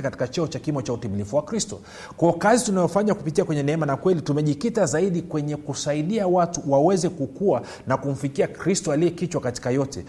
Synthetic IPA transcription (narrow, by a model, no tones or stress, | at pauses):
kati̥kat͡ʃɔɔt͡ʃakimɔt͡ʃautimilifuwakɾistɔ̰ | kɔɔkazitunajɔfaɲakupitiakwɛɲɛnɛɛmanakwɛlitumɛʄikitazaiɗikwɛɲɛkusaiɗiawatuwawɛzɛkukua | nakum̩fikiakɾistɔaliɛkit͡ʃwakati̥kajɔtɛ̰